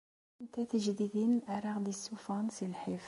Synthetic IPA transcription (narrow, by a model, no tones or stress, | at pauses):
nt̪æt̪əʒd̪id̪inlʔaɾˤɑʁd̪isːufɑnsilħif